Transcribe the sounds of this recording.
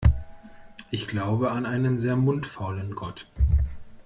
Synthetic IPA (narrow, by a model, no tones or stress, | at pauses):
ʔɪçɡ̥laʊbəanʔaɪnənzeːɐmʊntfalənɡɔt